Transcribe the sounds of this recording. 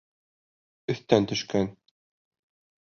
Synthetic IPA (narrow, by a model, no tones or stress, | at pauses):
ɵ̆θt̪ænt̪ɵ̆ʃkæn